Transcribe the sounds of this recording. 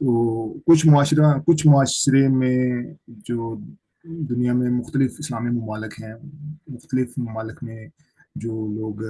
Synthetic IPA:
t̪oːkʊt͡ʃʰmʊaːʃɾãkʊt͡ʃʰmʊaːʃɾemẽd͡ʒoː | d̪ʊnijamẽmʊxt̪əlɪfɪslaːmimʊmaːlɪkɦɛ̃ːmʊxt̪əlɪfmʊmaːlɪkmẽ | d͡ʒoːloːɡ

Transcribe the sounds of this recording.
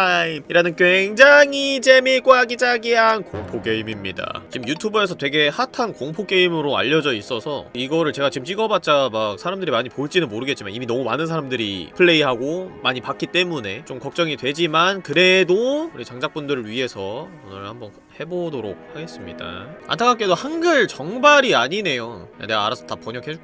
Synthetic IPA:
imiɾanɯnkweŋd͡ʑaŋit͡ɕe̞miɭk͈waɡid͡ʑaɡiɦankoŋpʰoke̞imimɲida̰t͡ɕimjutʰubɯe̞sʰʌtwe̞ɡe̞hatʰankoŋpʰok͈e̞imɯɾoa̰ʎːʌd͡ʑʌis͈ʌsʰʌiɡʌɾɯɭt͡ɕe̞ɡat͡ɕimt͡ɕ͈iɡʌbat͡ɕ͈amak̚sʰaɾamdɯɾimaɲipoiɭt͡ɕ͈inɯnmoɾɯɡe̞t̚t͡ɕ͈imaniminʌmumanɯnsʰaɾamdɯɾḭpʰɯɭːe̞iɦaɡomaɲipak͈it͈e̞mune̞t͡ɕ͈omkʌk̚t͡ɕ͈ʌŋidwe̞d͡ʑimankɯɾe̞doɾit͡ɕaŋd͡ʑak̚p͈undɯɾɯɭɥiɦe̞sʰʌonɯɭhambʌn | he̞bodoɾo̰k̚haɡe̞s͈ɯmɲida̰a̰ntʰakʰak͈e̞dohanɡɯɭt͡ɕʌŋbaɾiaɲine̞joja̰ne̞ɡaːɾasʰʌtapʌɲʌkʰe

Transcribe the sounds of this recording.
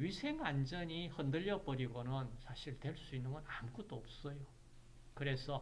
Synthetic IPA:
ɥisʰe̞ŋand͡ʑʌɲihʌndɯʎːʌbʌɾiɡonɯnsʰaɕʰiɭtwe̞ɭs͈uinːɯnɡʌnamk͈ʰut͈oʌp̚s͈ʌjo | kɯɾe̞sʰʌ

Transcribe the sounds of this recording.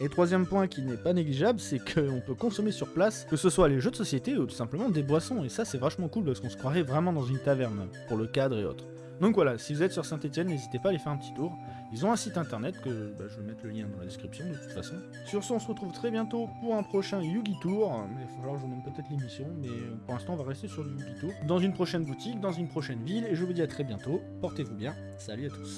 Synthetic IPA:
et̪χwazjɛmpwɛ̃kʲinɛpaneɡliʒablsɛkʰəɔ̃pøkɔ̃sɔmesyʁplaskəsəswaleʒød̪əsɔsjet̪eut̪u̥sɛ̃pləmɑ̃d̪ebwasɔ̃esasɛvaʃmɑ̃kulpasəkɔ̃sə̥kχwaʁɛvʁɛmɑ̃d̪ɑ̃zynt̪avɛʁnpuʁləkad̪ʁeo̰t̪χ | d̪ɔ̃kvwalasivuzɛt̪syʁsɛ̃t̪et̪jɛnːezit̪epaːlefɛʁɛ̃pət̪i̥t̪uːʁ | ilzɔ̃ɛ̃sit̪ɛ̃t̪ɛʁnɛt̪kəbaʒəvəmɛt̪ləljɛ̃d̪ɑ̃lad̪eskχipsjɔ̃d̪ət̪u̥t̪fasɔ̃ | syʁsəɔ̃səʁət̪χuv̥t̪χɛbjɛ̃t̪opuʁɛ̃pχɔʃɛ̃juɡʲit̪uʁmɛifofalwaʁʒəvumɛ̃mpøt̪ɛt̪χlemisjɔ̃mɛɔ̃puʁlɛ̃st̪ɑ̃ɔ̃vaʁɛst̪esyʁləjuɡʲit̪uːʁd̪ɑ̃zynpχɔʃɛnbut̪ik̚d̪ɑ̃zynpχɔʃɛnvileʒəvud̪iat̪χɛbjɛ̃t̪o | pɔʁt̪evubjɛ̃ | salyat̪u̥s

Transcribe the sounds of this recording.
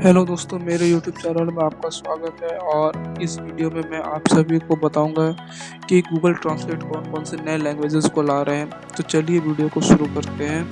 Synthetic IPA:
ɦɛːlod̪oːst̪õːmeːɾejuːʈjuːb̚t͡ʃɛːnəlmẽaːp̚kaswaːɡət̪ɦɛɔːɾɪsʋiːɖijomẽmɛ̃ʔaːpsɐbʱikobɐt̪aːũːŋɡa | kikɡuːɡəlʈɾãːnsleːʈkɔːnkɔːlsenɐelɛ̃ːŋɡʋeːd͡ʒɪzkolaːɾɐɦɛ̃ | t̪ot͡ʃɐlieʋiːɖijokoʃʊɾukɐɾt̪eɦɛ̃ː

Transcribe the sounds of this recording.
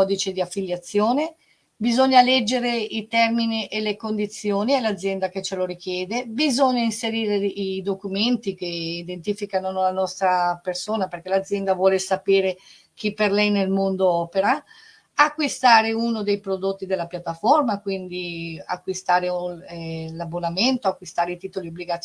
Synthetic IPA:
ɔd̪it͡ʃed̪iafːiljat̪sːjoːne | bizoɲːalɛd͡ʒːeɾeit̪ɛrminiʔelekond̪it̪sːjoːniɛlad̪zːjɛnd̪aket͡ʃːeloɾik̟jɛːd̪ebizoɲːainseɾiːɾeid̪okument̪ikeid̪ent̪ifikanoolanɔst̪ɾapersoːnaperk̟elad̪zːjɛnd̪avwɔːlesapeːɾe | k̟ipːerlɛjnelmond̪oɔːpeɾa | akːwist̪aːɾeunod̪ejpɾod̪ot̪ːid̪elːapjat̪ːaformakwind̪ia̰kːwist̪aːɾe | labːonament̪oakːwist̪aːɾeit̪iːt̪oliobliɡa

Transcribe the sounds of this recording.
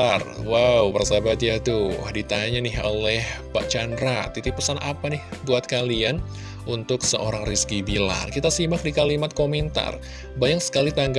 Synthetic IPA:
arwawbərsabat̪̚ɲat̪udit̪aɲanɪɦo̰lɛhpaʔt͡ʃandɾat̪ːit̪ipusanapanɪhbuat̪̚kalian | ʔunt̪ʊksəʔoɾaŋriskibila̰rkit̪asimak̚dikalimat̪̚komɛnt̪a̰r | bajaŋsə̥kalit̪aŋɡ

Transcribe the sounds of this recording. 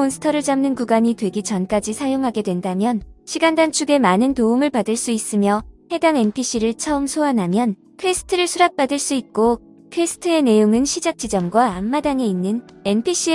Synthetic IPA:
onsʰɯ̥tʰʌɾɯɭt͡ɕamnɯnkuɡaɲitwe̞ɡit͡ɕʌnk͈ad͡ʑisʰajoŋɦaɡe̞dwe̞ndamjʌnɕʰiɡandant͡ɕʰuɡe̞manɯntoumɯɭpadɯɭs͈uis͈ɯmjʌhe̞daŋe̞npʰiɕ͈ʰiɾɯɭt͡ɕʰʌɯmsʰoanɦamjʌn | kʰwesʰɯ̥tʰɯɾɯɭsʰuɾak̚p͈adɯɭs͈uit̚k͈o | kʰwesʰɯ̥tʰɯe̞ne̞joŋɯnɕʰid͡ʑak̚t͡ɕ͈id͡ʑʌmɡwaːmːadaŋe̞inːɯne̞npʰiɕ͈ʰi

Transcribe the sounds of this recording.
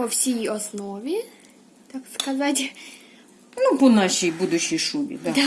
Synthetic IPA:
pɔfsʲejɔsnɔvʲɪ | t̪akskazatʲ | nupɔnaʂejbud̪ʊɕijʂumʲɪ̰d̪ad̪a

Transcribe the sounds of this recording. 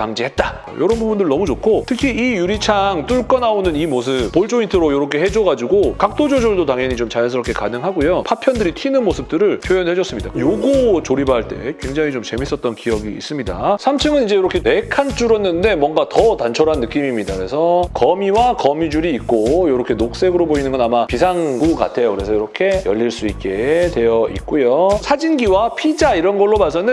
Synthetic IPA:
kaŋd͡ʑiɦe̞t̚t͈a | jo̰ɾʌnbubundɯɭnʌmut͡ɕokʰotʰɯkʰiijuɾit͡ɕʰaŋt͈uɭk͈ʌnaonɯnimosʰɯp͈ːoɭt͡ɕ͈ointʰɯɾojoɾʌkʰe̞ɦed͡ʑoɡad͡ʑiɡokak̚t͈od͡ʑod͡ʑoɭdotaŋjʌɲit͡ɕomt͡ɕajʌns̬ʰɯɾʌkʰe̞kanɯŋɦaɡojopʰapʰjʌndɯɾitʰinɯnmosʰɯp̚t͈ɯɾɯɭpʰjojʌnɦe̞d͡ʑʌs͈ɯmɲida̰kjoɡot͡ɕoɾibaɦaɭt͈e̞̰kwe̞ŋd͡ʑaŋit͡ɕomt͡ɕe̞mis͈ʌt̚t͈ʌnkijʌɡḭːs͈ɯmɲida̰sʰamt͡ɕʰɯŋɯnid͡ʑejoɾʌkʰe̞e̞kʰant͡ɕ͈uɾʌnːɯnde̞mwʌnɡatʌtant͡ɕʰʌɾanːɯk͈imimɲidakɯɾe̞sʰʌkʌmiwakʌmid͡ʑuɾiːk̚k͈ojoɾʌkʰe̞nok̚s͈e̞ɡɯɾoboinɯnɡʌnamapisʰaŋɡuka̰tʰe̞jokɯɾe̞sʰʌjoɾʌkʰe̞jʌʎːiɭs͈uik͈e̞twe̞jʌḭt̚k͈ojosʰad͡ʑinɡiwapʰid͡ʑaiɾʌnɡʌɭːomasʰʌnɯn

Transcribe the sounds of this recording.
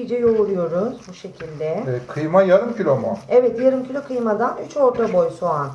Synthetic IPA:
d͡ʒɛjolˠuɾˠujo̞ɾuz̥buʃe̞cʰilʲd̪ɛkʰɯjmajaɾɯmcʰilʲomoɛvɛt̪jaɾɯmcʰilʲo̞kʰɯjmad̪anyt͡ʃo̞ɾt̪ʰabo̞jsoan

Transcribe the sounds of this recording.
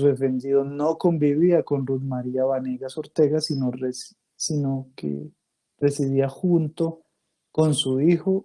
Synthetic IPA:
uðefe̞nd̪iðonoko̞mbiβiako̞nruðmaɾiaβaneɣaso̞ɾt̪e̞ɣasinores | sinokḛ | re̞siðiaxunt̪o̞ | konsuixo̞

